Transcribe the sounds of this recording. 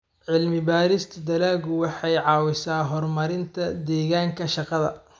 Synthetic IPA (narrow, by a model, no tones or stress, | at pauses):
ʕɪlmɪbaːɾɪst̪ʰɐd̪ɐlaːɣʊwɑħɑjʕɑːwɪsaːɦɔrmɐɾɪnt̪ʰɐd̪ɛːɣaːŋkʰɐʃɑqɑðɐ̰